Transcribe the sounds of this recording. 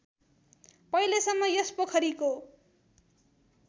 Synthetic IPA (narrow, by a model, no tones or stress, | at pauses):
pʌjlesʌmːʌjʌspokʰʌɾiko